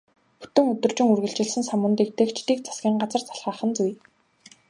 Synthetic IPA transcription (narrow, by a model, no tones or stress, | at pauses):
xɵ̥t̪ɵ̆ŋɵt̪ɵ̆rt͡ɕɪ̆ŋurɣɘ̆ɮt͡ɕɪ̆ɮsɘ̆nsamʊ̆nt̪iːk̚t̪ekt͡ɕt̪iːk̚t͡sʰḁsɡʲiːŋɢat͡sə̆rt͡sḁɮʁaːχə̆nt͡suj